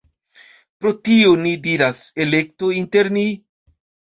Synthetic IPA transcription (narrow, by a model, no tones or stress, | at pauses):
pɾo̞tio̞nidiɾase̞le̞k̚to̞inte̞ɾni